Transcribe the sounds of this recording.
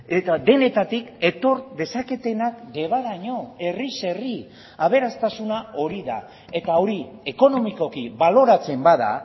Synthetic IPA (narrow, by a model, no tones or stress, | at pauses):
et̪ad̪e̞ne̞t̪at̪ike̞t̪o̞ɾd̪e̞sake̞t̪e̞nakd̪e̞β̞aðaɲo̞e̞rise̞ri | aβ̞e̞ɾast̪asunao̞ɾiða̰ | e̞t̪ao̞ɾie̞ko̞no̞miko̞kiβalo̞ɾat͡se̞mbaða̰